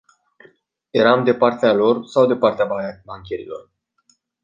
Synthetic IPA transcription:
je̞ɾamd̪e̞part̪ealo̞rsawd̪e̞part̪eababaŋkʲeɾḭlo̞̰r

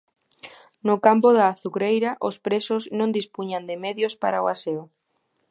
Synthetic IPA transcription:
nʊkampoðaːθukɾejɾaʔospɾesʊznõnd̪ispuɲand̪ɪmeðjospa̰ɾaoasea

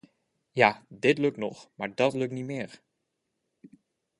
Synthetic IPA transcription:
jaːdɪtlɵk̚tnɔχmaːɹdɑtlɵk̚tnimɪːɹ

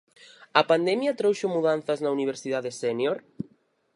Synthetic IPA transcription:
ɐpand̪ɛmjat̪ɾowʃomuðanθaznauniβ̞eɾsiðaðesenjoɾ

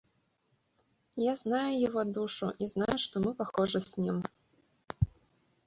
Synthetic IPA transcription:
jaznajujaɣɔd̪uʂuʔiznajuʂt̪ɔmɨpaxɔʐɐsʲnʲim

